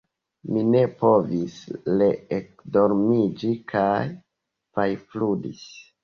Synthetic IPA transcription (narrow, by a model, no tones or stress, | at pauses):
mine̞po̞visle̞ekdo̞ɾmid͡ʒikʰaj | pajfludis